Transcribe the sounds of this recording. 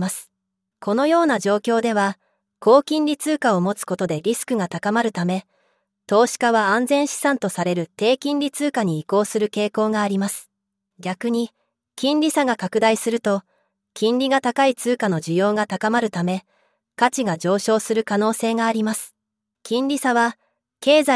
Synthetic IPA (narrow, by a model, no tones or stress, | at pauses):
asɨ̥ | kʰo̞no̞jo̞ːnaʑo̞ːkʲo̞ːd̪e̞β̞a | ko̞ːkʲĩnɾʲit͡sɨːkaomo̞t͡sɨ̥ko̞t̪o̞d̪e̞ɾʲisɨ̥kɯ̟ɡat̪akamaɾɯ̟t̪ame̞ | t̪o̞ːɕi̥kaβaãnd͡zẽ̞ɰ̃ɕi̥sãnt̪o̞saɾe̞ɾɯ̟t̪e̞ːkʲĩnɾʲit͡sɨːkaɲ̟iːko̞ːsɨɾɯ̟ke̞ːko̞ːɡaːɾʲimasɨ̥ | ɡʲakɯ̟ɲ̟i | kʲĩnɾʲisaɡakakɯ̟d̪aisɨɾɯ̟t̪o̞ | kʲĩnɾʲiɡat̪akait͡sɨːkano̞ʑijo̞ːɡat̪akamaɾɯ̟t̪ame̞ | kat͡ɕiɡad͡ʑo̞ːɕo̞ːsɨɾɯ̟kano̞ːse̞ːɡaːɾʲimasɨ̥ | kʲĩɲɾʲisaβ̞a | ke̞ːza